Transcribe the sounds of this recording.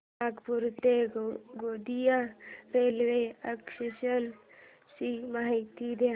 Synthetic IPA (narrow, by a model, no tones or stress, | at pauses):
akpuɾt̪eɡod̪ijaɾeːlʋeəkʃiʃən | ʃimaɦit̪id̪e